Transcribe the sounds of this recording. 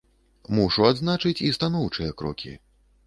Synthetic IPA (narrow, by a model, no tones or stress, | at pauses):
muʂuad̪znat͡ʂɨt͡sʲist̪anɔwt͡ʂɨjɐkɾɔ̰kʲḭ